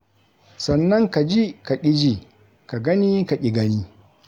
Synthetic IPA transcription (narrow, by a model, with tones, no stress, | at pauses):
sɐ˨nːɐ˦ŋka˨d͡ʒi˦ka˨ʔʲʼɪ˦d͡ʒi˦ | ka˨ɡɐ˦ni˦ka˨kʲʼɪ˨ɡɐ˦niː˦